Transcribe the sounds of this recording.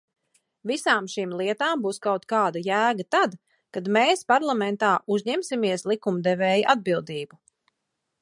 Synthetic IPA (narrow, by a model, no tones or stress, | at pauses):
visaːmʃimlˠiɛt̪aːmbuːskawt̪kaːd̪ajæːɡat̪ad̪ | kad̪meːspaɾlˠamɛnt̪aːʔuzɲɛmsimiɛslˠikumd̪ɛvɛːjiʔad̪̚bilˠd̪iːbu